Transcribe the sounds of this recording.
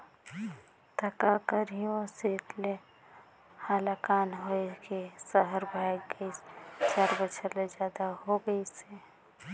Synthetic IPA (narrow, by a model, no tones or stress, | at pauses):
t̪ɐkakəɾiõset̪le | haːlakaːnɦoekesəɦəɾbʱaːjɡit͡ʃaːɾbəʃʰəled͡ʒjaːd̪aɦoɡəise